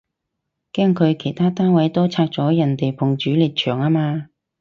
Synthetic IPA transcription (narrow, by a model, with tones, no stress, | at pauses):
kɛː˥ŋkʰɵ˨˧ɥkʰe˨˩jt̪ʰaː˥t̪aː˥nwɐ˨˥jt̪o˥wt͡sʰaː˧k̚t͡sɔː˨˥jɐ˨˩nt̪e˨jpʰʊ˨˩ŋt͡ʃyː˨˥liː˨t̚t͡ʃʰœː˨˩ŋaː˥maː˧